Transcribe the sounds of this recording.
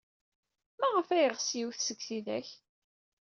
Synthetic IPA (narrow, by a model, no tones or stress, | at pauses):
mæʁəfæjəʁsjiwθsəɡθiðæ̰ç